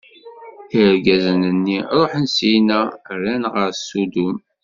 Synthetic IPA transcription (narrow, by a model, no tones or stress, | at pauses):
əɾɡæzənənːiɾˤoħənsijnæɾːænʁəɾsud̪um